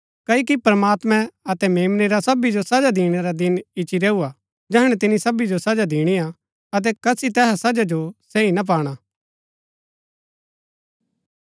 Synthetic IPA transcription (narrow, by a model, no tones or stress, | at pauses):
kɐikipɾəmaːt̪mɛ̃ɐt̪ɛmeːmneɾasɐbid͡ʒosɐd͡ʒad̪iːɽ̃ɛɾad̪ɪnɪt͡ʃiɾɛːua | d͡ʒɛɦəɽ̃ɛt̪ɪnisɐbid͡ʒosɐd͡ʒad̪iːɽ̃ia | ɐt̪̬ɛkɐsit̪ɛːɦasɐd͡ʒad͡ʒoseinap̬aːɽ̃a